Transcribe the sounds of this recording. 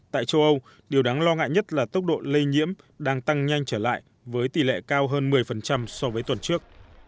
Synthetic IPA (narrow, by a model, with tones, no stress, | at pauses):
t̪a̰ː˧˨jt͡ɕə˧wʔə˧w | ɗi˨˩əwɗaː˨˦ŋlɔ˧ŋa̰ː˧˨jɲə˦˥t̚laː˨˩t̪ə˦˥wk͡p̚ɗo̰˧˨lə˧jɲḭ˧˥əm | ɗaː˧ŋt̪a˧ŋɲa˧jŋ̟t͡ɕəː˧˩la̰ː˧˨j | vəː˨˦jt̪i˨˩lḛ˧˨kaː˧wɦəː˧nmɨ˨˩əjfə˨˩nt͡ɕa˧msɔ˧vəː˨˦jt̪wə˨˩nt͡ɕɨ˦˥ək̚